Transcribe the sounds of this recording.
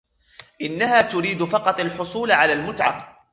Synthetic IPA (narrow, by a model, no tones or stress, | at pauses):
ʔɪnːahaːt̪ʊɾiːd̪fɑqɑt̪ˤɑlħʊsˤuːlʕalaːlmʊt̪ʕa̰